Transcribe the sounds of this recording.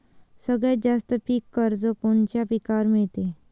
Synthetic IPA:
səɡɭjad͡ʑast̪əʈʰiːkːəɾd͡zokont͡ɕjapikaɾmet̪e

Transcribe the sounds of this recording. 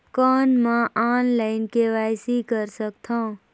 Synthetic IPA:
kɔːnmãʔaːnlaɪnkeʋaːjsikəɾsəkt̪ʰãː

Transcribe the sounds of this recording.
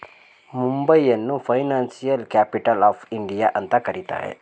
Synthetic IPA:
mumbəijənːũfajnansijəlkæpiʈəlɔfiɳɖijaʔənt̪akəɾit̪a̰ɦḛ

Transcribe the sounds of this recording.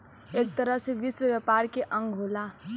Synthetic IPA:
eːk̚t̪əɾəɦseʋiswəʋjapaɾkeʔə̃ŋɡʱɦola

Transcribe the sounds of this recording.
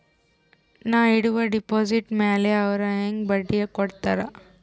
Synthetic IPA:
naːiɽuʋɐɖipoːsiʈmeːleɐʋɐɾɐeŋɡbɐɖːijɐkɔɽt̪aɾɐ

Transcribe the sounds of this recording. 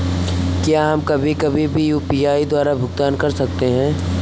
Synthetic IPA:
kjaːɦɐmkɐbʱikɐbʱibʱijuːpiːaːid̪waːɾabʱʊɡt̪aːnkɐɾsɐk̚t̪eɦɛ̃ː

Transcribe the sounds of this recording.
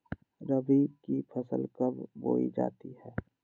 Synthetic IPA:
ɾəbikipʰəsəlkəbbo̰ːḭd͡ʒa̰ːt̪ihɛː

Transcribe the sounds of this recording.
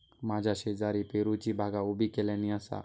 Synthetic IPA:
mad͡ʑʱaɕed͡zaɾipeɾut͡ɕibʱaɡaubʱikelɛ̃nĩəsa̰

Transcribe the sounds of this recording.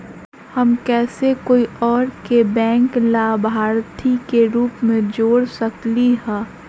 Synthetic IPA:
hɐmkɛːsekoːiɔːɾkebɛ̃ːŋklaːbʱaːɾt̪ʰikeɾuːpmẽd͡ʒoːɽsɐkliɦɛ̃ː

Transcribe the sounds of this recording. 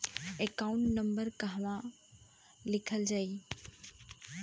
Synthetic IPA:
ekaũɳʈnɐ̃mbəɾkaɦʋã | lɪkʰəld͡ʒai

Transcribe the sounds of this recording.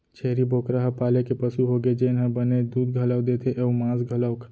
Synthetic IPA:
t͡ʃʰeːɾibʱoːkɾaɦapaːlekepəsuɦoɡed͡ʒenɦə̃bəned̪uːd̪̚ɡʱələwd̪eːt̪ʰeʔəumãːzɡʱələwkʰ

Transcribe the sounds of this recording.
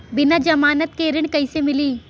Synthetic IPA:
bɪnad͡ʒɐmaːnət̪̚keɾɪɳ̃kɐɪsemɪliː

